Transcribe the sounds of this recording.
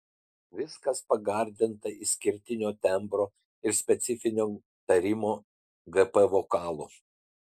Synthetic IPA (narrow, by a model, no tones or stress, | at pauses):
ʋʲɪskɐspɐɡɐˑɾʲd̪ʲɪnt̪ɐɪsʲkʲɪɾʲt̪ʲɪnʲoːt̪ʲɛmpɾoː | ɪɾsʲpʲɛt̪sʲɪfʲɪnʲoː | t̪ɐɾʲɪmoː | ɡɛpɛʋoːkɑːlˠo̰ː